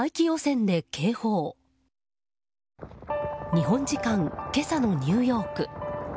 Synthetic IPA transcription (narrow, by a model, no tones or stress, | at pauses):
aikʲijoːsẽ̞nd̪e̞kʰe̞ːho̞ː | ɲ̟iɦõ̞ɲd͡ʑikãŋke̞sano̞ɲ̟ɨːjo̞ːkɯ̟